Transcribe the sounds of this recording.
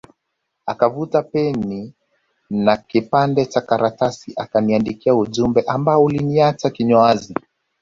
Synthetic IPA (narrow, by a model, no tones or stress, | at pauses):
akavutapɛni | nakipandɛt͡ʃakaɾatasiʔakaniandikiauʄumbɛʔambaɔuliniat͡ʃakiɲɔazi